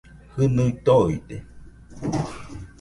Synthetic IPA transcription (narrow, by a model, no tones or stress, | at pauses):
hɨnɯit̪oid̪e